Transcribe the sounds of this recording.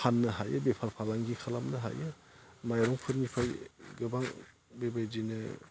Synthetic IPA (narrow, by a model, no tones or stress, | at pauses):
kʰanːɯɦajɯbepʰalpʰalaŋɡikʰalamnɯɦa̰jɯ | majɾɔŋpʰɯɾnipʰajɡɯbaŋ | bebajdinɯ